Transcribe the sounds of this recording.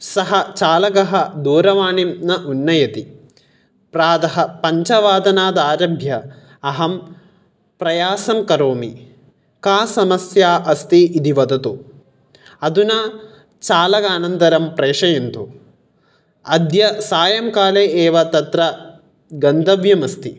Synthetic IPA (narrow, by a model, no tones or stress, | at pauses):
sɐɦɐt͡ʃaːlɐɡɐɦɐd̪uːɾɐʋaːɳimnɐʔunːɐjɐt̪i | pɾaːd̪ɐɦɐpɐɲt͡ʃɐʋaːd̪ɐnaːd̪aːɾɐbʱjɐ | ɐɦɐm | pɾɐjaːsɐmkɐɾoːmi | kaːsɐmɐsjaːʔɐst̪iid̪iʋɐd̪ɐt̪u | ɐd̪una | t͡ʃaːlɐkaːnɐnd̪ɐɾɐmpɾeːʂɐjɐnt̪u | ɐd̪jɐsaːjɐmkaːleːeːʋɐt̪ɐt̪ɾɐ | ɡɐnd̪ɐʋjɐmɐst̪i